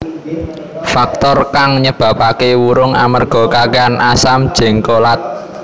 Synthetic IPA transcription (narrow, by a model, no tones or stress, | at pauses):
fak̚t̪ɔrkaŋɲəb̥a̤pakewuɾʊŋa̰mərɡ̥ɔ̤kakeanʔasam̥ʒ̥ɛ̤ŋkolat̪̚